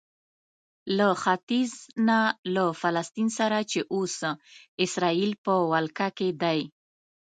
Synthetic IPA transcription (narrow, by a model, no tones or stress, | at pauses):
laxat̪iznalafalast̪insaɾat͡ʃeʔosɪsɾɑilpəwalkaked̪aj